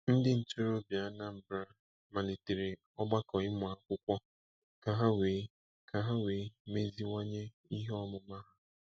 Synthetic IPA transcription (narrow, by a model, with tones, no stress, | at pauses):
n̩˦dɪ˦n̩˨t͡ʃo˦ɾo˦bja˨˦na˦m̩˨bɾa˦ | ma˨ne˨te˨ɾe˨ | ɔ˦ɡ͡ba˦kɔ˨ɪ˦mʊ˨a˨kʷʊ˦kʷɔ˦ | ka˨ɦa˦weː˨˦ | kʰa˨ɦa˦weː˨˦me˦zi˦ŋa˦ɲe˦ | i˦ɦɔ˦mʊ˨ma˦ɦa˦